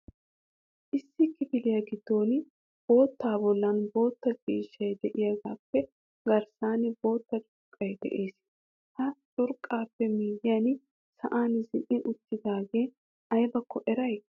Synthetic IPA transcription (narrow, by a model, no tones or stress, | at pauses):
ʔɪsːɪkːɪfɪlɪjɐɡɪd̪̥ːo̞ːn | b̥o̞ːt̪ːaːbɔlːɐnbo̞ːt̪ːɐt͡ʃʼiːʃːɐjd̪ɛʔɪjɐɡaːpːɛ | ɡɐɾsaːnbo̞ːt̪ːɐt͡ʃʼʊɾkʼːɐjd̪ɛ̰ʔeːs | hɐt͡ʃʼʊɾkʼːaːpːɛmiːjɪjɐn | sɐʔaːnzɪnʔːɪʔʊt̪ːɪd̪aːɡe̞ː | ɐjbɐkʰːɔʔɛɾɐj